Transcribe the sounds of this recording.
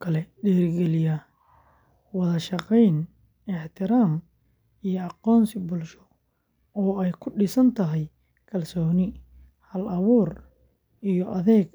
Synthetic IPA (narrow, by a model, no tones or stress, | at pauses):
kʰɐlɛɖɛːrɡɛlɪjɐ | wɑðɐʃɑqɛjn | ɛħt̪ʰɪɾaːm | ijɔɑqɔːnsɪbʊlʃɔ | ɔːɛjkʰʊɖɪsɐnt̪ʰɐɦɛj | kʰɐlsɔːnɪ | hɐlɐβuːr | ijɔʔɐðɛːɡ